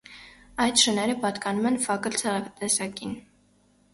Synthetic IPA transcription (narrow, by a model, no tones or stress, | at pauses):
ɑjt̪ʃənɛɾəpɑt̪kɑnumɛnfɑkəlt͡sʰɛt̪ɛsɑkin